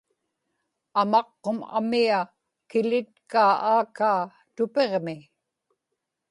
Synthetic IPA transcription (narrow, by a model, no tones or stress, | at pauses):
amɑqːoma̰mia | kɪlɪt̪̚kaːaːkaː | t̪ʊpe̞ʁmɪ